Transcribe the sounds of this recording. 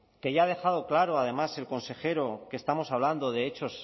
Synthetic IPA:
ke̞ʝaːðe̞xað̞o̞klaɾo̞aðe̞mase̞lko̞nse̞xe̞ɾo̞ke̞st̪amo̞saβland̪o̞ðe̞et͡ʃo̞s

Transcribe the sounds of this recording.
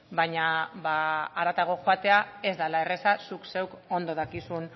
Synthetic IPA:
baɲaβaːɾat̪aɣ̞o̞xoat̪e̞ae̞zd̪alae̞re̞sasukse̞wko̞nd̪o̞ð̞akisun

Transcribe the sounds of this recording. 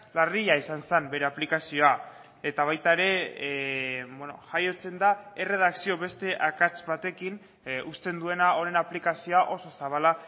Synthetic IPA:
lariʎaisansambe̞ɾe̞aplikasio̞a | e̞t̪aβ̞ajt̪aeɾe̞ | bweno̰ʝajo̞t͡se̞nd̪aere̞ð̞aksio̞βe̞st̪e̞ʔakat͡sbat̪e̞kin | ust̪e̞nd̪ue̞nao̞ɾenaplikasio̞aʔo̞so̞saβala

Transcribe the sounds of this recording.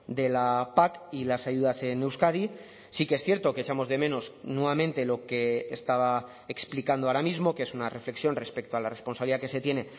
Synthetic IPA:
d̪e̞lapakilasaʝuðase̞ne̞wskaði | sikeesθje̞ɾt̪o̞ket͡ʃamo̞zðe̞mẽ̞noznwe̞βamẽnt̪e̞lo̞ke̞ːst̪aβa | eksplikand̪oaɾamizmo̞kee̞sunare̞fleksjo̞nre̞spe̞k̚t̪oalare̞spo̞nsaβliðakese̞t̪je̞ne̞

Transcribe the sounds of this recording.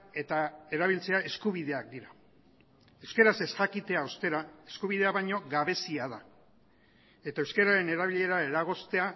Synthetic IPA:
e̞t̪ae̞ɾaβ̞ilt͡se̞ae̞skuβ̞ið̞e̞ak̚d̪iɾa | e̞wske̞ɾase̞sʝakit̪e̞aost̪e̞ɾae̞skuβ̞iðe̞aβajɲo̞ɣaβe̞siað̞a | e̞t̪aewske̞ɾaɾe̞ne̞ɾaβiʎe̞ɾaeɾaɣ̞o̞st̪e̞a

